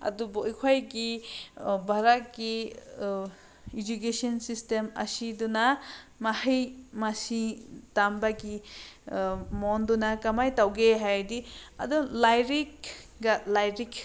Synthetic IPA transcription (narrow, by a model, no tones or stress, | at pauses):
a̰dubojkʰajɡi | bʱaɾat̚ɡi | id͡ʒukesɔnsistemɐ̰sidunamahijmasitambaɡi | mɔndunakamajtawɡeɦajdiɐ̰dulajɾik | ɡalajɾik